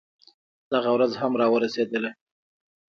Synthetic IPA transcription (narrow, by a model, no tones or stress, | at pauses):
d̪̥aɣawɾazɦamɾɑwəɾased̪əle